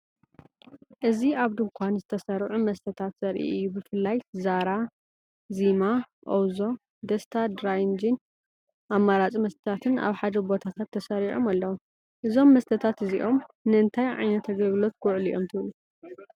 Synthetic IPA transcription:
ʔɨziaβd̪ɨŋkʷʰanzɨt̪ʰɐsɐɾʕumɐst̪ʰɐt̪ʰat̪z̥ɐɾʔḭʔɨjːubɨfɨlːajzaɾa | zima | ʔowzo̞ | d̪ɐst̪ʰad̪ɾajnd͡ʒin | ʔamːaɾat͡sʼimɐst̪ʰɐt̪ʰat̪ʰɨna̰βħad̪ɐbo̞t̪ʰat̪ʰat̪ʰːɐsɐɾiʕo̞̰malːɐwom | ʔɨzo̞mːɐst̪ʰɐt̪ʰat̪ɨziʔo̞mnɨɨnt̪ʰajʕa̰jnɐt̪ʰːɐɡɐβlo̞t̪ɡʊʕlḭʔo̞mt̪ʰɨβlu

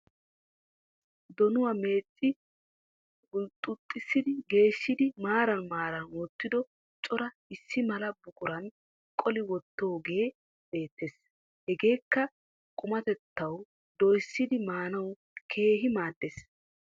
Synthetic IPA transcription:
d̪ɔnʊwɐme̞ːt͡sʼːɪ | ʊlt̪ʼʊt̪ʼːɪsːɪd̪ɪɡe̞ːʃːɪd̪ɪmaːɾɐnmaːɾɐnwɔt̪ːɪd̪ɔ | t͡ʃʼɔɾɐ | ɪsːɪmɐlɐbʊkʼʊɾɐn | kʼɔlɪwɔt̪ːoːɡe̞ː | be̞ːt̪ːes | hɛɡe̞ːkːɐ | kʼʊmɐt̪ɛt̪ːɐw | d̪ɔjsːɪd̪ɪmaːnɐw | kʰe̞ːɦɪmaːd̪ːes

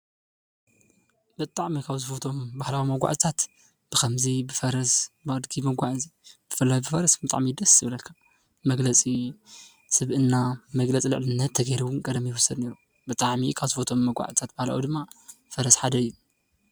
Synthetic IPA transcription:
b̥ɨt̪ʼaʕmikʰaβzɨfot̪ʰo̞mbahlawimɐɡʷa̰ʕt̪ʼt̪ʰat̪ | b̥ɨkʰɐmzibɨfɐɾɐsbɨʔʼɨd̪ɡimɐɡʷaʕɨzib̥ɨfɨlːajbɨfɐɾɐsbɨt̪ʼa̰ʕmid̪ɐsɨβlɐlkʰḁ | mɐɡlɐt͡sʼi | sɨβʔɨnːamɐɡlɐt͡sʼilɨ̰ʕlɨnːɐt̪ʰːɐɡɐɾuwʊnkʼɐd̪ɐmjɪwʊsɐd̪ne̞ɾu | bɨt̪ʼaʕmikʰaβzɨfot̪ʰo̞mːɐɡʷa̰ʕt̪ʼt̪ʰat̪̚b̥ahla̰wid̪ɨmːafɐɾɐsħad̪ɐɨjːu

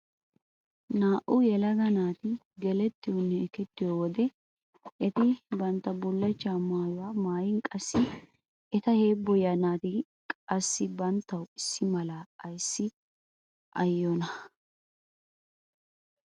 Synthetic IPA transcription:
naːʔʊjɛlɐɡɐnaːt̪ɪ | ɡɛlɛt̪ːɪjɔnːɛɛkɛt̪ːɪjowɔd̪ɛ | ɛt̪ɪbɐnt̪ːɐbʊlːɐt͡ʃːaːmaːjʊwaːmaːjɪŋkʼɐsːɪ | ɛt̪ɐhe̞ːbːɔjɐnaːt̪ɪ | kʼɐsːɪbɐnt̪ːɐwɪsːɪmɐlaːɐjsːɪ | ʔɐjːɔnɐ

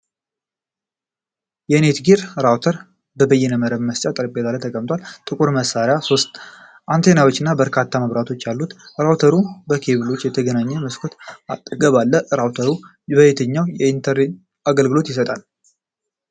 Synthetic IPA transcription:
jɛne̞t̪ɡiɾɾawt̪ʰəɾ | bəbəjːɛnəməɾəβməst͡ʃʼat̪ʼɨɾbet̪alət̪ʰəkʼəmt̪ʼwalt̪ʼɨkʼuɾməsaɾjaso̞st̪ | ʔant̪ʰe̞nawot͡ʃːɪnːabəɾkʰat̪ʰːaməβɾat̪ʰo̞t͡ʃːjalːut̪ɾawt̪ʰəɾubəkʰe̞βɨlo̞t͡ʃːjɛt̪ʰəɡənaɲːəməskʰo̞t̪at̪ʼɡəβalːəɾawt̪ʰəɾu | bəet̪ʰəɲːawjɛint̪ʰəɾi | aɡəlɡɨlo̞t̪jɪs̬ət̪ʼal

